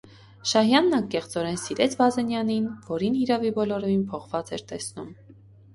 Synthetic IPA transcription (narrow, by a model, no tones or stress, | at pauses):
ʃɑɦjɑnːɑŋkɛχt͡sɔɾɛnsiɾɛt͡sʰvɑzɛnjɑninvɔɾinhiɾɑvibɔlɔɾɔinpʰɔχv̥ɑt͡sɛɾt̪ɛsnum